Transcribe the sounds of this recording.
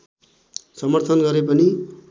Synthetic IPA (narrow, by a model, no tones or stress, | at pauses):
sʌmʌrt̪ʰʌnɡʌɾepʌni